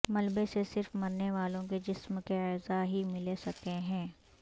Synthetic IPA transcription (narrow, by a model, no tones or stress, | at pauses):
mɐlbesesɪɾfmɐɾneʋaːlõked͡ʒɪsmkeɛːzaɦimɪlesɐkeɦɛ̃ː